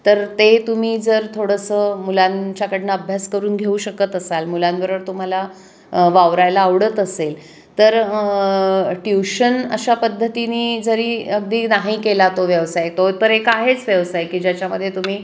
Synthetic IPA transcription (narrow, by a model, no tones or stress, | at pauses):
t̪əɾt̪et̪um̤iːd͡zəɾt̪ʰoɽəsəmulãnt͡ɕjakəɽnəəbʱjaskəɾuːnɡʱeuɕəkət̪əsalmulãnʋəɾəɾt̪um̤ala | ʋaʋɾajlaːʋɽət̪əsel | t̪əɾ | ʈjuɕənə̰ɕapəd̪ʱːət̪iniːd͡zəɾiːəɡ̚d̪iːnaɦikelat̪oʋjəʋsajet̪ot̪əɾekaɦet͡sʋjəʋsajkiːd͡ʑjat͡ɕjaməd̪ʱjet̪um̤iː